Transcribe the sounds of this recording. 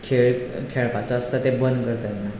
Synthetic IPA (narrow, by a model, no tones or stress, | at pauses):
kʰeɭkʰeɭpat͡saəsət̪ebənd̪kəɾt̪na